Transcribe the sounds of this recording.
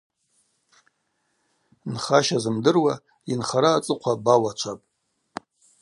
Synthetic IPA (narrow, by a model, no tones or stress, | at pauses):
nχaʃazɨmdɨrwa | inχaɾaːt͡sʼɨqʷʰabawat͡ʃʷʰapʼ